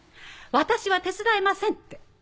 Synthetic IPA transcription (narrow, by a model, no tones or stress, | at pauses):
βat̪aɕiβat̪e̞t͡sɨd̪aemasẽ̞nt̪ːe